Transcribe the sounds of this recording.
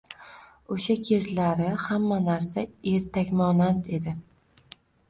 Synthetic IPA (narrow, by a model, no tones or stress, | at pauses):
oʃakʲʰe̞zlaɾɪhamːanaɾsae̞ɾt̪ʰakʲmɒnant̪e̞d̪ɪ